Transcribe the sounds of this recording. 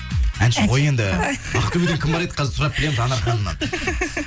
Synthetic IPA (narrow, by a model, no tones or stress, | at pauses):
ænʃɪʁoje̞nd̪ɪɑqə̥t̪ːubed̪eŋkʲʰɪmbɑɾed̪ə̥qʰɑzɪɾsʊɾɑp̚bɪle̞mɪzɑnɑɾχɑnəmːɑ̰n